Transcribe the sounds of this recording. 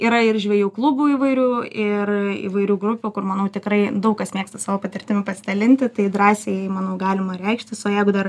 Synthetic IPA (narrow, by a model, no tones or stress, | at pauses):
iːɾɐɪrʒʲʋʲɛjuːklˠʊbuːiːʋɐɪɾʲuːɪrḭʋɐɪɾʲuːɡɾʊpʲuːkʊrmɐnɐʊt̪ʲɪkɾɐɪd̪ɐʊkkɐsmʲiːkst̪ɐsɑːʋoːpɐt̪ʲɪrʲt̪ʲɪmʲʊpɐsʲɪd̪ɐlʲɪnʲt̪ʲɪt̪ɐɪd̪ɾɑːsʲemɑnɐʊɡɑːlʲɪmɐɾʲɛɪkʃʲt̪ʲɪsoːjɛɪɡʊd̪ɐr